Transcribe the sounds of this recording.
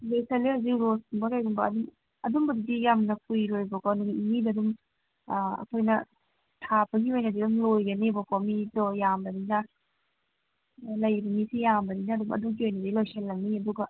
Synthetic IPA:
lojsɐlːihawzik̚ɾosumbɐkajɡumbɐɐdum | ɐdumbɐdidijamnɐkʰujɾojbɐkawnuɡimidɐdum | ɐ̰kʰojnɐ | tʰapʰɐɡiojnɐdidumlojɡɐnibɐkomidɔjambɐdinɐ | lɐjbimisijambɐɾinɐːdumɐ̰duɡiojnɐdilojsɐlːɐniɐduɡɐ

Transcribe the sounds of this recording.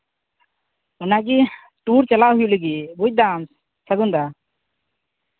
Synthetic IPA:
ɔnaɡi | ʈuɾt͡ʃalaɦujuliɡibuc̚ˀd̪ans | səɡund̪a

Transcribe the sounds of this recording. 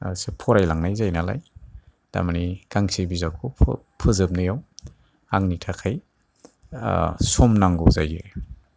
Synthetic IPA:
sepʰɔɾajlaŋnajzajnala̰j | d̥a̰manikaŋsibizawkʰupʰpʰɯzɯp̚nɯjaw | aŋnitʰakʰaj | sɔmnaŋɡɔzajɯ̰

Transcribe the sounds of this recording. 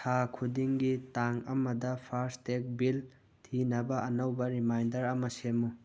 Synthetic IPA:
tʰakʰudiŋɡitaŋɐmɐdɐpʰaɾstek̚bil | tʰinɐbɐɐnɐwbɐɾimajndɐɾɐmɐsemu

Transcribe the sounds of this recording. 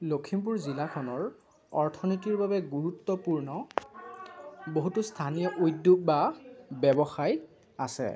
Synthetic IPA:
lokʰimp̬uɹzilakʰɔnɔɹ | ɔɹtʰɔnotiɹbabɛɡuɹutːɔpuɹnɔ | boɦutustʰanijɔʔojdːuɡ̚babɛbɔxaj | a̰sɛ̰

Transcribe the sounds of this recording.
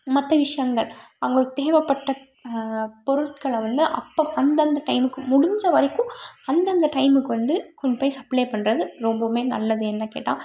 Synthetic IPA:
mɐt̪ːɐʋɪʂɐjɐŋɡɐɭɐŋɡɐɭt̪eːʋɐpːɐʈːɐ | pɔɾɯʈkɐɭʋɐnd̪ɯʔɐpːoːɐnd̪ɐnd̪ɐʈɐɪmɯkːɯmʊɽʊɲd͡ʒɐʋɐɾɐkːʊ̃ɐnd̪ɐnd̪ɐʈɐɪmɯkːɯʋɐnd̪ɯkɔɲd͡ʒɐpɐːjsɐpleːpɐɳːɾɐðɯɾɔmbɐmeːnɐ̰lːɐðɯɛnːɐkḛːʈːã̰ː

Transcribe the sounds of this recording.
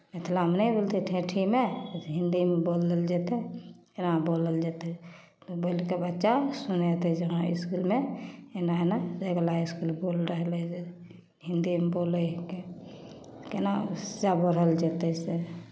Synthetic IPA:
met̪ʰlamnebolt̪ʰeʈʰẽʈʰimeɦind̪imeboləld͡ʒɛt̪ɛkenaboləld͡ʒet̪ɛ | t̪obəlkebətːʃasunet̪ɛd͡ʒəɦãḭskulmeenaenad͡ʒeɡlaiskulbolɾəɦlɛse | ɦind̪imeboləke | kenad͡ʒabəɽ̤əld͡ʒet̪ɛse

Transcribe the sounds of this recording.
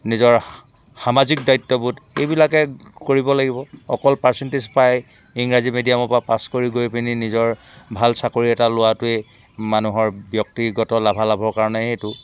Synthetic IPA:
nizɔɹ | xamazik̚dajtːɔbutejbilakɛkoɹibɔlaɡibɔɔkɔlpaɹsentizpaj | iŋɹazimedijamɔpapaskoɹiɡojpininizɔɹ | bʱalsakoɹiɛtalʊwatʊe | manuɦɔɹbjɔk̚tiɡɔtɔlabʱalabʱɔɹkaɹɔnɛhejtʊ

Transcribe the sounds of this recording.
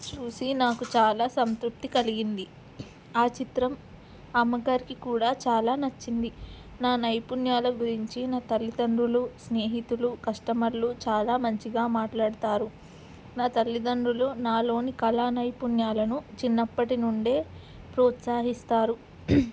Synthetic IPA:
t͡ʃuːsinaːkut͡ʃaːlaːsɐnst̪ɾup̚t̪ikɐliɡind̪i | aːt͡ʃit̪ɾɐm | amːɐɡaːɾikikuːɽaːt͡ʃaːlaːnɐt͡ʃːind̪i | naːnɐjpunjaːlɐɡuɾiɲt͡ʃinaːt̪ɐlːid̪ɐɳɖulusne̞ːɦit̪ulukɐʂʈɐmɐlːut͡ʃaːlaːmɐɲt͡ʃiɡaːmaːʈlaːɽt̪aːɾu | naːt̪ɐlːid̪ɐɳɾuloːnaːlo̞ːnikɐlaːnɐjpunjaːlɐnut͡ʃinːɐpːɐʈinuɳɖe̞ː | pɾɔːt̪saːɦist̪aːɾu

